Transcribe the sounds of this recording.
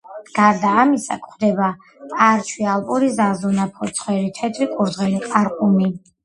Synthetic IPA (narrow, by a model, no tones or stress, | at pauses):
ɡ̥aɾd̪aːmisa̰kʰχd̪ɛba | pʼaɾt͡ʃʰwialˠpʼɔɾizazɔnapʰɔt̪sʰχwɛɾit̪ʰɛt̪ʰɾikʼuɾzʁɛniqʼaɾqʼumi